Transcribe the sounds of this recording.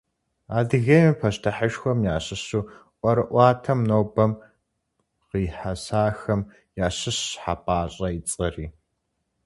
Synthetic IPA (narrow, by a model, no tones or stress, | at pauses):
aːdɨɣɐmipʰɐʃtʰɐħəʃxʷɔmjaːɕɨɕuːʔʷʼɐɾɨʔʷɑːtʰɐmnoːbɐm | qiːħasaːxɐm | jaːɕɨɕħapʼaːɕʼɐit͡sʼɐriː